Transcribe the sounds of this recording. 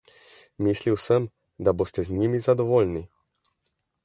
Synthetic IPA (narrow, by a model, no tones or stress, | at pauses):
misliwsəm | d̪abost̪ɛznʲimizad̪ɔvolni